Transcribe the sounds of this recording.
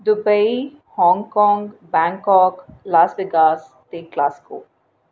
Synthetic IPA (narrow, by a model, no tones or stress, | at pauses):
d̪ubɐj | hɔ̃ːŋkɔ̃ːŋɡbãːŋkɔːklaːsbiɡaːs | t̪iːklaːsko̰ː